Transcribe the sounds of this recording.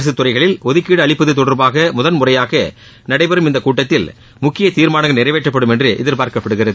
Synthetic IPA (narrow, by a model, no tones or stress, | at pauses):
s̬ɯt̪ːʊrɐɪɣɐɭɪlɔðɯkːiːɽɯɐɭɪpːɯðɯt̪ːɔɽɐɾbaːɣɐmʊðɐnmʊrɐjaːɣɐ | nɐɽɐɪpɛɾɯmɪnd̪ɐkuːʈːɐt̪ːɪl | mʊkːɪjɐt̪iːɾmaːnɐŋɡɐnɪɾɐɪʋeːʈrɐpːɐɽɯmɛndrɯʔɛ̰ðɪɾpaːɾkɐpːɐɽɯɣɪrɐðɯ